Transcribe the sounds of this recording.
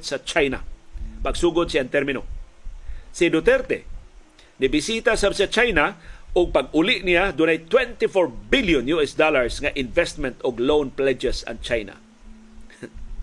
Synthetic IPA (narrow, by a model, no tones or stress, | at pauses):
sat͡ʃajna̰pɐɡsuːɡʊd̪̚sɪant̪ɛɾmɪno | sɪd̪ʊt̪ɛɾt̪ɛ̰ | nɪbɪsiːt̪asabsat͡ʃajnaʔʊɡ̚paɡʊlɪʔnɪjad̪ʊnajt̪wɛnt̪ɪfɔɹbɪljʊnjuʔɛsd̪olaɹsŋaʔɪnvɛst̪mɛnt̪ʊɡlownplɛd͡ʒɛsa̰ŋt͡ʃajna̰